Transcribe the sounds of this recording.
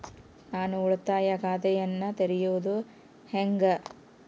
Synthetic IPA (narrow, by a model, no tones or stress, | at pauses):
naːnuːɭt̪aːjɐɡaːd̪ɛjɐnːɐt̪eɾijuʋud̪u | heŋɡɐ